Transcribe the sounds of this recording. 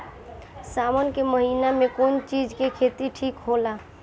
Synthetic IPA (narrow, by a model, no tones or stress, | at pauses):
samənkeməɦinamekont͡ʃid͡ʒkekʰet̪iʈʰikɦola